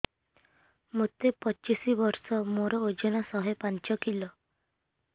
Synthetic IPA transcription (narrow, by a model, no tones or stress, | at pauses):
mot̪epɔt͡ʃisibɔɾsɔmoɾɔod͡ʒɔnasɔɦepant͡ʃɔkilɔ